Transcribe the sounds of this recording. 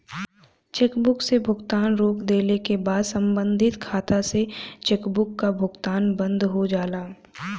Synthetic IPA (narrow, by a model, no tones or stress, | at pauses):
t͡ʃeːkbʊksebʱʊɡt̪aːnɾoːkd̪eːlekebaːd̪sɐ̃mbə̃nd̪ʱɪt̪kʰaːt̪aset͡ʃeːkbʊkːabʱʊɡt̪aːnbə̃nd̪ʱɦod͡ʒaːlaː